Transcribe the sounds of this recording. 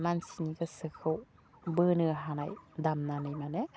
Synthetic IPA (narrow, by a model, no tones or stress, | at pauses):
mansiniɡɯsɯkʰɯw | bɯnɯɦana̰jdamnanɯjmane